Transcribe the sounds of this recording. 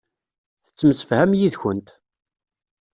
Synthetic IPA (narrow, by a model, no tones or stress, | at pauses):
θə̥t͡sːəmsə̥fhæmjiðçənt̪